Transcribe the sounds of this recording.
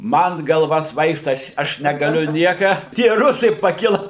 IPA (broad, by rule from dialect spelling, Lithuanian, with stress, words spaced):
ˈmɐn ɡɐlˠˈʋɐ ˈsʋɐɪkstɐ ˈɐʃ ˈɐʃ nʲɛɡɐˈlʲʊ ˈnʲiɛkɐ tʲiɛ ˈrʊsɐɪ pɐˈkʲɪlˠɐ